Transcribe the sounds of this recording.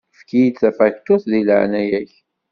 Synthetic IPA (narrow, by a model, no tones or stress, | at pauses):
fkijid̪θæfækt̪ʊθðiləʕnæjæç